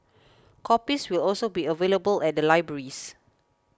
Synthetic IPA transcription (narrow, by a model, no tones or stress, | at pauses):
kʰɔpiswilɔlsobiəveləbəlɛt̚dəlaɪbɹəɹis